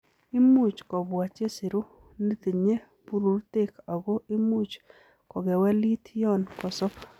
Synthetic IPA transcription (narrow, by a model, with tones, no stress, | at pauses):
i˦mu˦˨t͡ʃkɔ˨ba˨t͡ʃe˦si˨ɾu˦ | ni˦t̪e˨ɲe˦ | pu˦ɾu˨ɾte˦ka˨ɡo˦ʔi˦mu˦t͡ʃ | kɔ˨ɡɛ˨wɛ˦li˦t̪jɔ˦nkɔ˨sɔ˦p